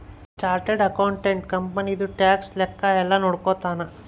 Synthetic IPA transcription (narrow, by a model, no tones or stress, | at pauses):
t͡ʃaːɾʈeɖɐkɐwɳʈeɳʈkɐmpɐnid̪uʈaːkslɛkːɐɛlːɐnoːɽkoːt̪aːnɐ